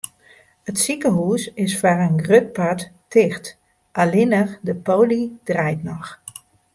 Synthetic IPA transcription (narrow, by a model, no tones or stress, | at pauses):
ətsikəɦuːsɪsfarənɡrøt̚patːɪxt | ʔalɪnəxdəpoːlid̥rɛjtnɔx